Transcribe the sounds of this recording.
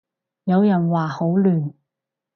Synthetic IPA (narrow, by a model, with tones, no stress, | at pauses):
jɐ˨˧wjɐ˨˩nwaː˨ho˨˥wlyː˨˩n